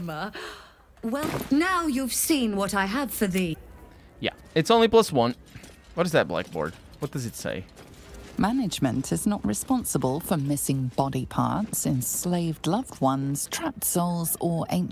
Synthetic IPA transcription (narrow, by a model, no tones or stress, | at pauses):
mə | wɛlˠnaʊjʉv̥sĩnwʌɾaɪəv̥fə˞ði | jæ̰ | ɨtsõʊ̃nlipʰl̥ʌswʌ̃nt | wʌt̚ɨzðɨt̚b̥la̰k̚b̥ɔ̰ɹd̥̚ | wʌt̚d̥ʌzɨtsḛɪ | manɪd͡ʒmə̃ntʰɪznəʔɹɪspɑ̃nsəbəlˠfəmɪsɪ̃ŋbɒɾipʰɑ̰ˑɹtsɪ̃nsleɪvdlʌvd̚wʌ̃nz̥tʰɹ̥ap̚tsoʊlˠzəɹḛ̃ɪ̃n